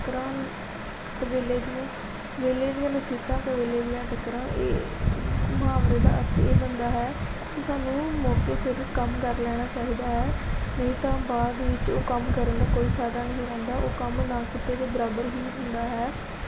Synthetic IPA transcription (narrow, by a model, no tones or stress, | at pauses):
kɾãː | t̪əbeːleːd̪ɪãː | beːleːd̪ɪjãːnəsiːt̪ãːt̪ebeːleːd̪ɪjãːʈəkːɾãːʔḛː | məɦaːbɾeːd̪a̰ːə̰ɾt̪ʰḛːbənd̪aːɦɛːkeːsaːnũːmɔːkeːsɪɾfkəmkəɾlɛːɽ̃aːt͡ʃaːiːd̪aːɦɛːnəɦĩːt̪ãːbaːd̪ʋɪt͡ʃoːkəmkəɾə̃nd̪aːkoːiːpʰɛːd̪aːnəɦĩːɾɛ̃ːnd̪aːʔoːkəmnaːkɪt̪eːd̪eːbəɾaːbəɾɦiːɦʊ̃nd̪aːɦɛː